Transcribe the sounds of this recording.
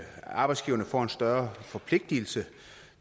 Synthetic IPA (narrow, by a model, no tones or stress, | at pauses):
ɑ̈b̥ɑ̈ɪdsɡ̥iːʊɐnəfɒ̰ːe̝nsd̥ɶɐfɒ̽pʰle̝ɡ̥̚d̥il̩sə